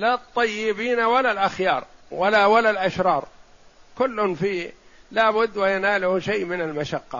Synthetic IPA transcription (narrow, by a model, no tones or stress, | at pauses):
lat̪ˤːɑjːɪbiːnawalalʔaxjɑːɾˤwalawalalʔaʃɾˤɑːɾˤkʊlːʊnfiːlaːbʊd̪ːwajanaːlʊhʃajːmɪnalmaʃaqːɑ̰